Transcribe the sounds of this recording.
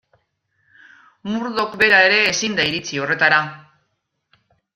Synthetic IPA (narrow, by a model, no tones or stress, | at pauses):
muɾðo̞kbe̞ɾae̞ɾe̞ːsind̪aiɾit͡sio̞re̞t̪aɾa